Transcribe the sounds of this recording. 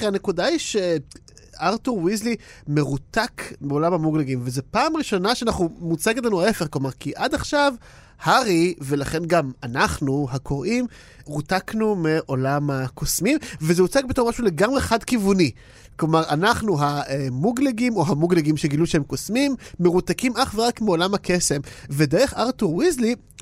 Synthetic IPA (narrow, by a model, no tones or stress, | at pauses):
eanekudaiʃe | aʁtuʁwizlime̞ʁutakmeo̞lamhamuɡleɡimvezepaːmʁiʃo̞naʃeanaχnumut͡seɡet̪lanuaefeχklo̞maʁkiʔadaχʃav | haʁivelaχe̞nɡamanaχnuhakʰo̞ʁʔim | ʁutaknumeʔo̞lamakʰosmimvezeut͡sak̚betomaʃule̞ɡamʁeχadkivuni | klomaʁanaχnuɦaemuɡleɡimo̞ɦamuɡleɡimʃeɡiluʃehemkosmimːeʁut̪akimʔaχveʁakmeo̞lamhakese̞mvedeʁeχaʁtuʁwizli